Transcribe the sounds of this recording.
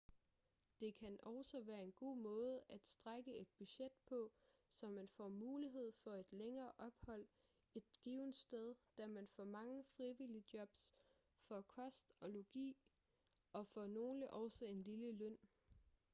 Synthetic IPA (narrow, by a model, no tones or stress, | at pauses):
d̥e̝kʰænɒʊsɒʋæːɐe̝nɡ̥o̝̰ːmɔ̽ːð̞̩ˠəæd̥sd̥ʁaɡ̥əe̝d̥̚b̥yɕed̥̚pʰɒ̽sɒ̽mːænfɒ̰muːliɦe̝ð̞̰ˠfɒ̽e̝d̥leŋɐːʔɒ̽b̥hɒ̽l̰ | e̝d̥ɡ̥iʊnd̥sd̥eð̞ˠd̥æmænfɒ̰mɑ̈ŋəfʁiʋilid̥jɒ̽b̥s | fɒkʰɒ̽sd̥ɒ̽loɡ̥ḭː | ɒ̽fɒ̽no̝ːləʔɒʊsɒe̝nliləløn̰